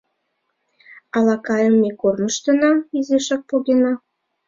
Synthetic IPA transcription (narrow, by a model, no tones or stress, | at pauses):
ɑlɑkɑjəmːekornəʃt̪ə̆nɑizeʃɑk̚poɣenɑ